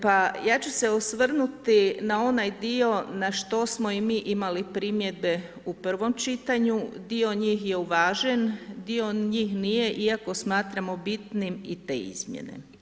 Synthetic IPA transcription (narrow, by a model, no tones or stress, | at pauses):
pajaːt͡ɕuse̞osʋr̩nut̪inao̞najd̪io̞naʃt̪o̞smo̞imiːʔimalipɾimje̞d̪̚be̞ | upr̩ʋo̞mt͡ʃit̪aɲud̪io̞ɲiːxje̞uʋaːʒend̪io̞ɲiːxnije̞ʔiako̞smaːt̪ɾamo̞bit̪nimḭt̪e̞̰ːḭzmjḛnḛ